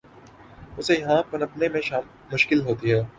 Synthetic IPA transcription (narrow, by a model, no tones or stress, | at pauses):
ʊsejɐɦãpɐnɐpnemẽʃaːmːʊʃkɪlɦoːt̪iɦɛː